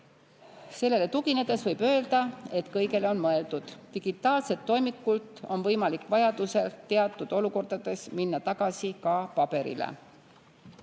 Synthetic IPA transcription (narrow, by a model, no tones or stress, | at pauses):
se̞lːe̞le̞t̪uɡ̥ine̞d̪̥e̞svɤjb̥ø̞ːld̪̥ɑe̞t̪kɤjɡe̞leo̞nmɤe̞ld̪̥ud̪̥ːiɡ̥it̪ːˑɑːlse̞t̪ːo̞jmikːˑult̪ˑo̞nvɤjmɑlikːˑvɑjɑd̪̥use̞lt̪e̞ɑt̪ːˑud̪̥o̞luko̞rd̪ɑd̪̥e̞sminːɑt̪ɑɡ̥ɑsikɑpɑb̥e̞ɾḭlḛ